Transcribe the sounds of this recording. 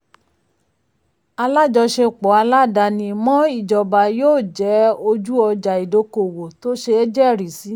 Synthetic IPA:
a˧la˦˨d͡ʒɔ˧ʃe˧˨k͡pɔ˨˦a˧la˦˨da˧nĩ˧mɔ̃˦i˦˨d͡ʒɔ˨ba˨joː˦˨d͡ʒɛ˨˦o˧d͡ʒu˦ɔ˧d͡ʒa˨i˨do˧˦ko˨wo˨to˦ʃe˧e˦d͡ʒɛ˦˨ɾi˨si˨˦

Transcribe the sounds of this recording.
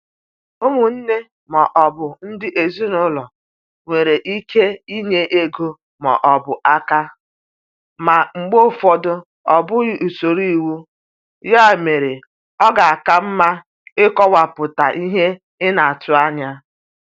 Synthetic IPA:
ʊ˦mʊ˨n̩˦ne˦ | mɔ˨ʔɔ˨bʊ˨n̩˦dɪ˦ʔe˨zi˦nʊ˦lɔ˨ | ŋʷe˨ɾe˨ʔi˦kʰe˦i˦ɲe˦ʔe˦ɡo˦ | mɔ̰˨ʔɔ˨bʊ˨ʔa˦ka˦ | ma˨ŋ͡m̩˨ɡ͡bo˦˨fɔ˦dʊ˦ | ɔ˨bʊ˦˨u˨so˨ɾi˦i˨wu˦ | ja˦˨me˨ɾe˨ | ɔ˦ɡa˨a˨ka˦m̩˦ma˦ | ɪ˦kɔ˦wa˨pʊ˨ta˨ʔi˦ɦe˦ | ɪ˦na˨a˨tʊ˦a˦ɲa˦

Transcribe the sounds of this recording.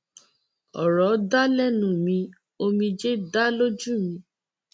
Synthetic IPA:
ɔ̰˨ɾɔ˨˦da˦lɛ˦nũ˨˦mĩ˧ | o˧mĩ˧d͡ʒe˦da˦lo˦d͡ʒũ˦˨mĩ˧˦

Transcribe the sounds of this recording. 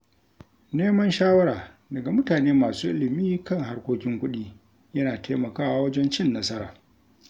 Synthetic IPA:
neː˦mɐ˦nʃaː˦wɐ˦ɽaː˨ | dɐ˨ɡa˨mʊ˦taː˨neː˦maː˨suː˦ʔɪ˦lɪ˨miː˦kɐ˦˨ŋɦa˦rkʷoː˦kʲɪ˦ŋkʷʊ˦ɗiː˦ | jɐ˦naː˨tʰe˦mɐ˨kaː˦ʔa˨wɐ˦d͡ʒɛ˦nt͡ʃɪ˦nːɐ˦sɐ˦ɾa̰ː˨

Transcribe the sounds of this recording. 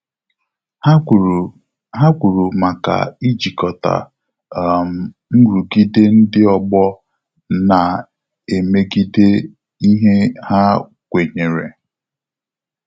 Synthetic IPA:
ɦa˦kʷu˨ɾu˨ma˨ka̰˨i˦d͡ʒi˨kɔ˨ta̰˨ | m̩˨ | ŋ̩˦ɾu˨ɡi˦de˦n̩˦dɪ˦ɔ˨ɡ͡bɔ˦ | na˨ | e˨me˦ɡi˦de˦ | i˦ɦe˦ha˦ | kʷe˨ɲe˨ɾe˨

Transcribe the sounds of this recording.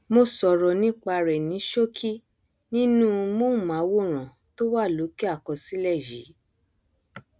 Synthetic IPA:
mo˧sɔ˨ɾɔ˧nĩ˦k͡pa˧ɾɛ˨nĩ˨˦ʃo˦kʰi˦ | nĩ˦nũ˦˧mo˦˨mã˨˦wo˦˨ɾ̃ã˨ | to˦wa˦˨lo˨˦ki˦a˦˨kɔ˧si˦lɛ˦˨jḭ˨˦

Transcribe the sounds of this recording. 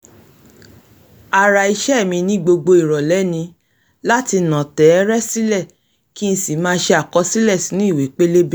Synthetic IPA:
a˨ɾa˨i˧ʃɛ˦˨mĩ˧nĩ˧˦ɡ͡bo˧ɡ͡bo˧i˨ɾɔ˨lɛ˨˦nĩ˧ | la˦ti˧nã˨tɛ˨˦˧ɾɛ˦si˦lɛ˦˨ | ki˦n̩˦si˨mãː˦˧˦ʃe˧a˨kɔ˧˦si˦lɛ˦˨si˨˦nũ˦i˦˨wi˨˦k͡pe˦le˦be˦

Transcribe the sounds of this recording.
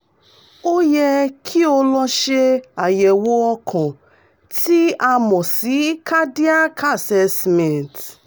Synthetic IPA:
o˦je˦kʰi˦o˦lɔ˦ʃe˦a˨je˨wo˦ɔ˦kʰʊ̃˨ | ti˦a˦mɔ˨si˨˦kʰa˦di˦a˦kʰa˦˨sɛ˦smɛ˨nt

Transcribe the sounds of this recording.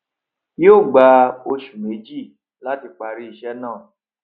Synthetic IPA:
jo˦˨ɡ͡ba˧o˧ʃu˨me˨˦d͡ʒi˦˨ | la˦ti˧k͡pa˧ɾi˦i˧ʃɛ˦nãː˦˨

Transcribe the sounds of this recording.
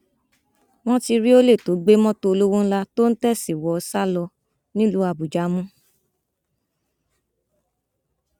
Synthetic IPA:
w̃ɔ̃˦ti˧ɾi˦o˦le˦˨to˨˦ɡ͡be˦mɔ̃˦to˧o˧lo˦wõ˦n̩˦la˧to˦n̩˦tɛ˦˨si˨wɔ˨˧sa˦˨lɔ˧ | nĩ˦lu˨˦a˧˨bu˨d͡ʒa˨˦mũ˦

